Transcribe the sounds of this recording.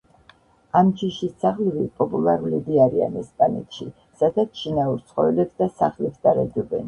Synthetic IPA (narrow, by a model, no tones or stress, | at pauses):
amt͡ʃʰiʃisaχlvipʼɔpʼulˠaɾulid̪iaɾia̰nɛspʼanik̪ʃi | sad̪at͡ʃʰinauɾt̪sʰχɔ̰ɛlɛpsd̪asaχlɛpsd̪aɾad͡ʒɔbɛ̰n